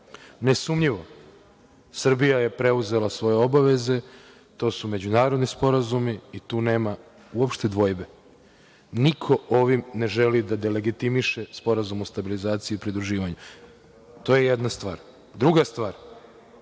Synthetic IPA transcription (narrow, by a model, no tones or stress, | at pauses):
ne̞sumʎiʋo̞ | sr̩bijaje̞pɾe̞uze̞lasʋo̞je̞o̞baʋe̞ze̞ | t̪o̞ːsume̞d͡ʑunaːɾo̞d̪nispo̞ɾazumiːt̪uːne̞ːma | uopʃt̪e̞d̪ʋo̞jbe̞ | nikʰo̞o̞ʋimne̞ʒe̞lid̪ad̪ele̞ɡit̪imiʃe̞spo̞ɾazumost̪abilizaːt̪sijuːpɾid̪ɾuʒiːʋaɲu | t̪o̞ːjejed̪nast̪ʋaːɾ | d̪ɾuɡast̪ʋaːɾ